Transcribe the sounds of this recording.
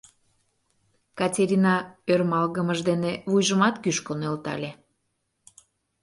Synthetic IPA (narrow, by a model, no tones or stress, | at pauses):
kɑtʲeɾʲinɑørmɑlɣəməʒd̪enevujʒəmɑt̪kyʃkonelt̪ɑ̰lʲe